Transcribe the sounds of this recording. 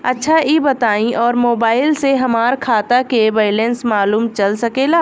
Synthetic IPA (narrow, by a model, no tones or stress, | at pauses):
ɐtːʃʰaiːbɐt̪aːĩʔɔːɾmoːbaːɪlseɦɐmaːɾkʰaːt̪akeʋeːɪlẽnsmaːluːmt͡ʃɐlsɐkeːlaː